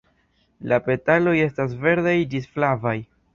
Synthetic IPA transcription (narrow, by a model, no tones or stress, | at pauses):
lape̞talo̞je̞stas̬ve̞ɾdajdisflavaj